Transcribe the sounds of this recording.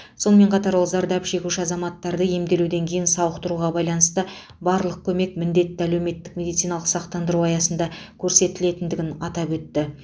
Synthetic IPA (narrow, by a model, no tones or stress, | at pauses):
so̞nəme̞ɴqʰɑt̪ɑɾwolˠzɑɾd̪ɑpʃe̞kʲuʃɪɑzɑmɑt̪ːɑɾd̪əje̞md̪e̞lud̪e̞ŋkʲʰe̞jɪnsɑwəqt̪əɾuʁɑbɑjlˠɑnəst̪ə | bɑɾlˠəq̚kʲʰɵme̞kmɪnd̪e̞t̪ːɪælewme̞t̪ːɪkmʲe̞d̪it̪sijnɑlˠəqsɑqt̪ɑnd̪əɾuɑjɑsənd̪ɑkʲʰɵɾse̞t̪ɪle̞t̪ɪnd̪ɪɡʲɪnɑt̪ɑpwɵt̪ːɪ